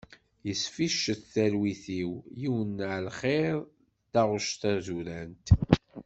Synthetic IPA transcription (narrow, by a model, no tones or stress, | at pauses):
jəsfiʃəθθælwiθiwjiwənːʕlχeɾˤ | d̪aʁʊʃt̪æzuɾænt̪